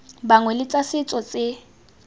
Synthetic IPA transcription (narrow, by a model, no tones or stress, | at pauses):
baŋwɛlɪt͡sʼasɪt͡sʼɔt͡sʼɪ